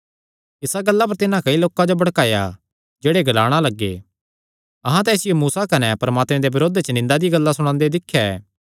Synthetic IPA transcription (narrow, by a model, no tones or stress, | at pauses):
ɪsaɡɐlːap̬ɐɾt̪ɪnãkɐiloːkãd͡ʒobɐɽkaːja̰ | d͡ʒeːɽeɡɐlaːɽ̃alɐɡːḛː | ɐɦãt̪ɛ̃ɪsɪjomuːsakɐnɛpɐɾəmaːt̪mɛ̃d̪ebɪɾoːd̪et͡ʃɐnɪ̃nd̪ad̪iɡɐlːasʊɽ̃ãːnd̪ed̪ɪkʰːjaɛ̰ː